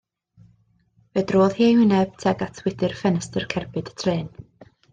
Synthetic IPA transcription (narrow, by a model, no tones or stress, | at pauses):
vɛdroːðhiːawɪnɛb̥tʰɛɡatʰwɪdɨrfɛnəstərkʰɛrbɨdə̥tʰreːn